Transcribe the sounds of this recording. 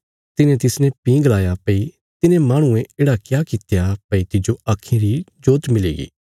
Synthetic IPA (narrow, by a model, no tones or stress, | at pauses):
t̪ɪnẽt̪ɪsnɛ̃pĩːɡlaːjapɐi | t̪ɪnẽmãːɽ̃ũẽeːɽakjaːkɪt̪japɐit̪ɪd͡ʒoaːkʰːĩɾid͡ʒoːt̪mɪlḛːɡḭː